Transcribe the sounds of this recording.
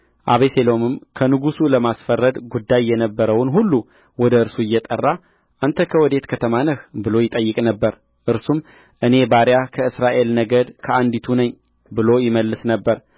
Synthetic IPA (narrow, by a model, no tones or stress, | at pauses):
ʔaβeselo̞mɨmkʰənɨɡusuləmasfərːəd̪ɡud̪ːajːɛnəbːəɾəwnɦulːu | wɔd̪əɨɾsuɪjːɛt̪ʼə̰rːa | ʔant̪ʰəkʰəwɔd̪e̞t̪kʰət̪ʰəmanəhbɨlo̞jɪt̪ʼəjːɨkʼnəbːəɾ | ʔɨɾsum | ʔɨne̞baɾjakʰəɨsɾaʔe̞lnəɡəd̪kʰəand̪it̪ʰunəɲː | bɨlo̞jɪməlːɨsnəbːəɾ